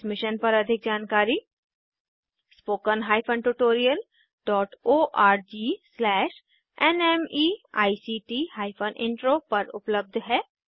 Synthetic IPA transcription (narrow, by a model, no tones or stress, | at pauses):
mɪʃənpɐɾɐd̪ʱɪk̚d͡ʒaːnkaːɾi | spoːkənɦaːɪpʰənʈuʈoːɾijəl | ɖɔːʈoːʔaːɾd͡ʒiːslɛːʃ | ɛnɛmiːa̰ːisiːʈiːhaːɪpʰənʔɪ̰̃ɳʈɾoːpɐɾʊ̰pləb̚d̪ʱɦɛː